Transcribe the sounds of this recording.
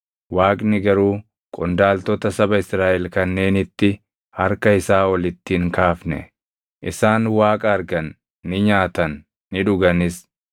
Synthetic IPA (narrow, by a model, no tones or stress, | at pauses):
waːkʼnɪɡɐɾuː | kʼɔnd̪aːlt̪ɔt̪ɐsɐbɐɪsɾaːʔɛlkɐnːe̞ːnɪt̪ːɪ | hɐɾkɐɪsaːwɐlɪt̪ːiːŋkaːfnɛ̰ | ʔɪsaːnwaːkʼɐɐɾɡɐnː | ɪɲaːt̪ɐnː | ɪᶑʊɡɐnɪs